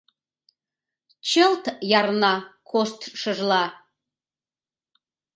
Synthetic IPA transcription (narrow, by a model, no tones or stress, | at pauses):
t͡ʃʰɪltʰjarnakʷʰostʰʂɨʐla